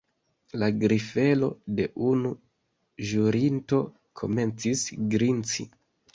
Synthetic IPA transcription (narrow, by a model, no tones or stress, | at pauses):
laɡɾife̞lo̞de̞ʔunu | ʒuɾinto̞ | kʰo̞̰me̞nt͡sisɡɾint͡sḭ